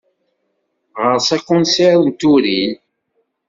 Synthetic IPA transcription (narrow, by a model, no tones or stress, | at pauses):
ʁəɾsækːʊ̃nseɾnt̪uɾil